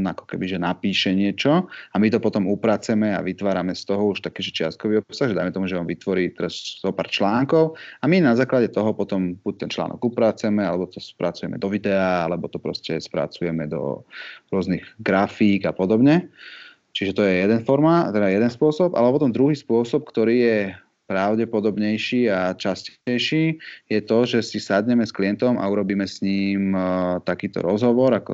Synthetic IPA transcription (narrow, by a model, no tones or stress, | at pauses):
nakɔ̥kɛbiʒɛnapiːʃɛɲɪɛt͡ʃɔamit̪ɔpɔt̪ɔmupɾaːt͡sɛmɛa̰ʋit̪ʋaːɾamɛst̪ɔɦɔuʃt̪akiːʒɛt͡ʃɪast̪̚kɔʋiɔpsaɣʒɛd̪aɪmɛt̪ɔmuʒɛɔnʋit̪ʋɔɾiːt̪ɛɾazzɔpaːɾt͡ʃlaːŋkɔʊaminazaːklaɟɛt̪ɔɦɔpɔt̪ɔmb̥uc̚t̪ɛnt͡ʃla̰ːnɔ̰ɡupɾaːt͡sɛmɛalɛbɔt̪ɔspɾat͡sujɛmɛ̰d̪ɔʋid̪ɛaːalɛbɔt̪ɔpɾɔ̰scɛspɾa̰t͡sujɛmɛd̪ɔ̰ɾʊɔzniɣɡɾafiːɡapɔd̪ɔbɲɛ | t͡ʃiʒɛt̪ɔjɛjɛd̪ɛnfɔɾmat̪ɛd̪ajɛd̪ɛnspʊɔsɔpa̰lɛpɔt̪ɔmd̪ɾuɦiːspʊɔsɔp̚kt̪ɔɾiːjɛ | pɾaʊɟɛpɔd̪ɔbɲɛjʃiːat͡ʃascɛɛjʃiːjɛt̪ɔʒɛsisad̪ɲɛmɛskliɛnt̪ɔmʔa̰uɾɔbiːmɛsɲiːmt̪akiːt̪ɔ̰ɾɔzɦɔʋɔɾakɔ